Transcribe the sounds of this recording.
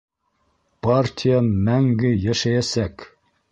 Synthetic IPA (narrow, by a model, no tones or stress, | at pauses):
pɑrtʲʰijamæŋɡɘjæʃæjæsæk